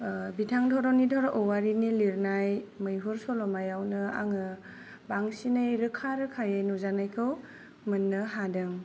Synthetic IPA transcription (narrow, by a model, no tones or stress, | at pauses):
bitʰaŋdʰɔɾɔnidʰʱɔɾɔʔɔwaɾiniliɾnajmɯjɦuɾsɔlɔmajawnɯa̰ŋɯ | baŋsinɯjɾɯkʰaɾɯkʰajajnuzanajkʰɯw | mɯnːɯɦadɯŋ